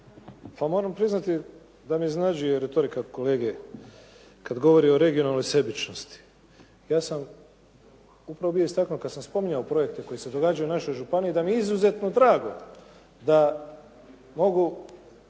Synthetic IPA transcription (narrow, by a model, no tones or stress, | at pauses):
pamo̞ɾampɾiznat̪i | d̪amiznad͡ʒujeɾe̞t̪o̞ɾikako̞le̞ːɡe | kad̪ɡo̞ʋo̞ɾio̞ɾe̞ɡio̞nalno̞jse̞bit͡ʃno̞st̪i̥ | jaːsam | upɾaʋobijo̞ist̪aknukad̪samspo̞miɲaopɾo̞je̞kt̪eko̞jise̞d̪o̞ɡad͡ʒajunaʃo̞jʒupaniid̪amieizuze̞t̪no̞d̪ɾaːɡo̞ | d̪a | mo̞ɡu